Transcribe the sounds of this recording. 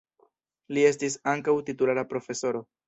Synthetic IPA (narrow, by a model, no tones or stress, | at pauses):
lie̞stisaŋkawtitulaɾapɾo̞fe̞so̞ɾo̞